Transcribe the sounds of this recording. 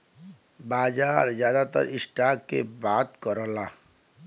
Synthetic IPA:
baːd͡ʒaːɾd͡ʒjaːd̪at̪ə̰ɾɪsʈaːkːebaːt̪kɔɾɔla

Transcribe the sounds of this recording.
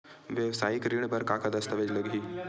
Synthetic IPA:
ʋjəʋsaːjikɾiɳbəɾkakad̪ɐst̪əʋed͡ʑləɡʱɦiː

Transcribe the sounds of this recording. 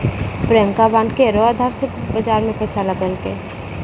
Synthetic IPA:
pɾeə̃ŋkabaːnkeɾoəd̪ʱaːɾsebəd͡ʒaːɾmẽpɛːsaləɡəlke

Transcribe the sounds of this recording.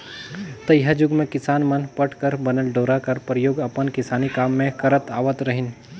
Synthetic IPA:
t̪ɐjɦad͡ʒʊɡmẽkɪsaːnmənpəʈʰkəɾbɐnəlɖoːɾakɐɾpɾəjoːɡɐpənkɪsaːnikaːmːẽkɐɾət̪aːʋət̪ɾɐɦɪn

